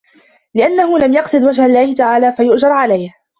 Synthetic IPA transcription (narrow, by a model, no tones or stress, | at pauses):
lɪʔanːaɦʊlamjɑqsɨd̪wad͡ʒhalːaːhɪt̪aʕaːlaːfajʊʔd͡ʒɑɾˤʕalajh